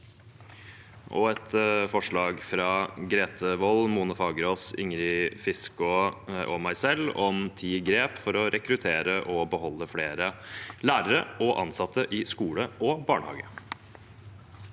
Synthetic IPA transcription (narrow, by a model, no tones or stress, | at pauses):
ʔɔɛt̪fɔʂɭɑːɡfɾɑːɡɾeːt̪ʰəʋɔlmuːnəfɑːɡɾoːsɪ̰ŋɾɪfɪskʊʔɔmæɪsɛlɔmt̪ʰiːɡɾeːpfɔɾɔɾʔɛkɾʉt̪ʰeːɾəʔɔbəɦɔlːəfleːɾəlæːɾəɾəɔʔɑnsɑt̪ʰːəʔɪskuːləʔɔbɑːɳhɑ̰ːɡə